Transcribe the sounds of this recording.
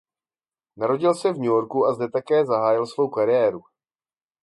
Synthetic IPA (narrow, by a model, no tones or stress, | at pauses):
naɾo̞ɟɪlsɛvɲujo̞ɾkuazdɛt̪akɛːzaɦaːjɪlsvo̞wkaɾɪɛːɾu